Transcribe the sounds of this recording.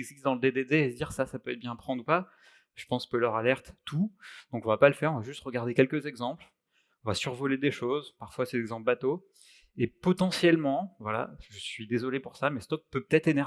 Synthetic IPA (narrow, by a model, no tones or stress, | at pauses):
ɛɡzist̪d̪ɑ̃ləd̪ed̪ed̪eːd̪iʁsasapøɛt̪̚bjɛ̃pχɑ̃d̪ʁupa | ʒ̥ə̥pɑ̃skəlœʁalɛʁt̪t̪ud̪̥ɔ̃kɔ̃vapaləfɛʁɔ̃vaʒyst̪ʁəɡaʁd̪ekʲɛlkəzɛɡzɑ̃pl | ɔ̃vasyʁvɔled̪eʃozpaʁfwasɛlɛɡzɑ̃plbat̪o | epɔt̪ɑ̃sjɛlmɑ̃vwala̰ʒəsɥid̪ezɔlepuʁsamɛst̪ɔk̚pøpə̥t̪ɛt̪χenɛʁ